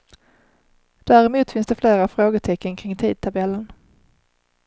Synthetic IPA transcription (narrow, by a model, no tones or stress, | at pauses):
d̪̥æɾɛmuːt̪fɪnsd̪ɛfleːɾafɾoːɡət̪ʰɛkːənkʰɾɪŋt̪ʰiːd̪̚t̪ʰabɛlːən